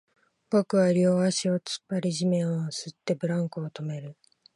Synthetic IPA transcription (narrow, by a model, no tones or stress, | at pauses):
b̥o̞kɯ̟βaɾʲoːaɕio̞t͡sɨ̥pːaɾʲiʑimẽ̞ɰosɨt̪ːe̞bɯ̟ɾãŋkɯːt̪o̞me̞ɾɯ̟